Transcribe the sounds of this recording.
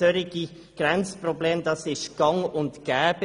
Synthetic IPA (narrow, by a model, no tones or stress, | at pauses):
øɾɪɡi | ɡ̥ɾɛnt͡sprobleːmdɑsɪʃɡ̥ɑŋʊntɡ̥ɛːb̥ə